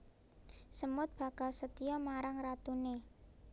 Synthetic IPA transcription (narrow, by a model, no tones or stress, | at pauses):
səmʊt̪̚b̥a̤kalsət̪iɔmaɾaŋɾat̪une